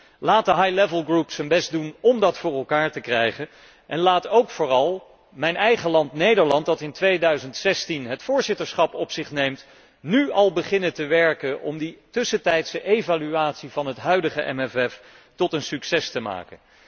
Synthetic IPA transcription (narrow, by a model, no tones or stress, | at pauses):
laːt̚dəɦɑjlɛvəlˠɡrupsənbɛstdunɔmdɑtfʊːɹɛlˠkaːɹtəkrɛjχən | ʔɛnlaːtowkfʊːrɑlˠ | mɛjnɛjχəlɑntnejdəɹlɑnt̚dɑtɪntʋejdœɥzəntsɛstinɦətfʊːɹzɪtəɹsχɑpɔpsɪχnejmt | nyɑlˠbəχɪnəntəʋɛɹkənʔɔ̰mditʏsətɛjtsəʔevalyaːtsivɑnɦətɦœɥdəχəʔɛ̰mɛfɛf | tɔtənsyksɛstəma̰ːkən